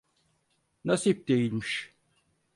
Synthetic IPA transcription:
nasip̚d̪ejilʲmiʃ

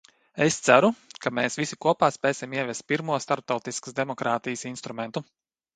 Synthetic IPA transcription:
est̪sæɾukameːsʋisʲikuɔpaːspɛːsʲimiɛvʲɛst̪̚pʲiɾmuɔst̪aɾp̚t̪awt̪iskə̥sd̪emɔkɾaːt̪ijsinst̪ɾumɛnt̪u

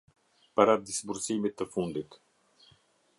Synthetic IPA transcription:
paɾad̪isbuɾsimit̪ːəfund̪it̪

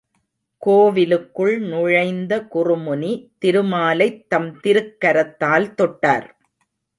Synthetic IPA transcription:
koːʋɪlɯkːɯɭnʊɻɐɪnd̪ɐkʊrʊmʊnit̪ɪɾɯmaːlɐɪt̪ːɐmt̪ɪɾɯkːɐɾɐt̪ːaːlt̪ɔʈːa̰ːɾ

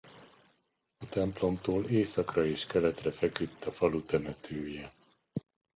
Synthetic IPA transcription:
ɒt̪ɛmplo̞mt̪oːleːsɒkrɒeːʃkɛlɛt̪rɛfɛkyt̪ːɒfɒlut̪ɛnɛt̪ʰøːjɛ

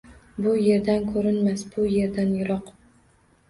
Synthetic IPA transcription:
bʊje̞ɾd̪ankʰɵɾɪnmasbʊje̞ɾd̪anjʊɾɒq

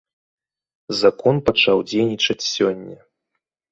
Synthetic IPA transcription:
zakɔnpat͡ʂawd͡zʲejnʲit͡ʂɐt͡sʲsʲɔnʲːɐ

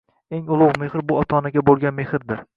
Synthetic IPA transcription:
eŋʊlˠʊwmeχɾbʊɒt̪ʰɒnaɡʲabolˠɡʲanmehɾd̪ɪɾ

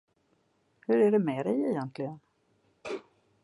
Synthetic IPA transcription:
hɵɾæɖɛmeːd̪ɛjɛjɛnt̪ʰlɪɡən

